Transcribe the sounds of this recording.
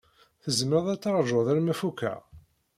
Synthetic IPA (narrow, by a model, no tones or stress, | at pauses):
θəzmɾəðˤæt͡sːɑɾˤʒoðˤæɾmæfukːæ̰